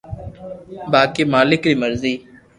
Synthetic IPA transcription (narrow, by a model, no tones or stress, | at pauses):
baːkeːmaːlɪkɾiːməɾziː